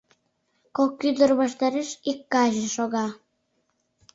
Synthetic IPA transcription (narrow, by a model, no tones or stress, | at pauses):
kokːyd̪orβɑʃt̪ɑɾeʃikːɑʒeʃoɣɑ